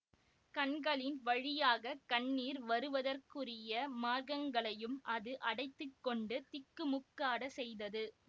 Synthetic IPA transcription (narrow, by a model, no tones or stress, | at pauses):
kɐnɡɐɭɪnʋɐɻɪjaːɣɐkɐɳnːiːɾʋɐɾɯʋɐðɐrkɯrɪjɐmaːɾɣɐŋɡɐɭɐjɯmʔɐðɯʔɐɽɐɪt̪ːɯkːɔɳɖɯt̪ːɪkːɯmʊkːaːɽɐsɛjðɐðɯ